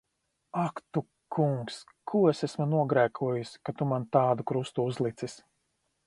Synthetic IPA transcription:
akt̪u | kʰuŋks | kʰuesesmunuɔɡɾæːkʰuɔjusʲkat̪umant̪aːd̪ukɾust̪uuzlˠit̪sis

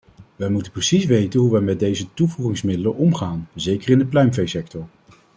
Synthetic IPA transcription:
ʋɛjmutənprəsisʋejtənɦuʋɛmɛd̚dejzətuvuχɪŋsmɪdələnʔɔmχaːnzejkərɪndəplœɥmvejsɛk̚tɔɹ

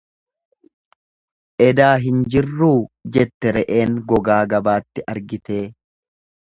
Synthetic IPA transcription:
ʔɛd̪aːɦɪnd͡ʒɪrːuːd͡ʒɛt̪ːɛɾɛʔe̞ːŋɡɔɡaːɡɐbaːt̪ːɪʔɐɾɡɪt̪e̞ː

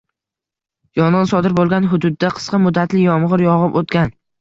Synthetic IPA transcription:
jɒɴʁɨnsɒd̪ɪɾbolˠɡʲanɦʊd̪ʊd̪ːaqʰɨ̥sqʰɑmʊd̪ːat̪lɪjɒmʁɨɾjɒʁɨpot̪ɡʲan

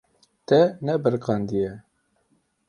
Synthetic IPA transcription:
t̪ɛnɛbəɾqɑnd̪ijɛ

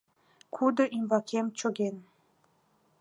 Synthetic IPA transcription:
kʰud̪oʔimvɑkʰemt͡ɕoɣen

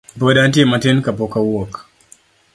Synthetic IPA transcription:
pɔdant̬iɛmatɛnkapɔkawɔk

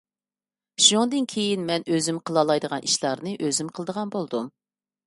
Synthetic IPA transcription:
ʃoŋd̪ɨnkʲʰejinmɛnøzymqʰəlˠɑlˠɑjd̪əʁɑnʔiʃlˠɑɾnɨʔøzymqʰəlˠd̪əʁɑnbolˠd̪um

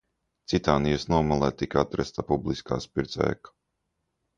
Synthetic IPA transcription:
t̪sit̪aːnijasnuɔmalˠɛːt̪ikat̪ɾɛst̪apublˠiska̰ːspiɾt̪sɛ̰ːkḁ

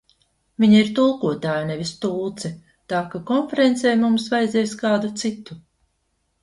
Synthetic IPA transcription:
vʲiɲaiɾt̪ulˠkuɔt̪aːjunevʲist̪uːt̪sɛ | t̪aːkakɔnfeɾent̪sɛjmumsvajd̪zʲiɛskaːd̪ut̪sit̪u

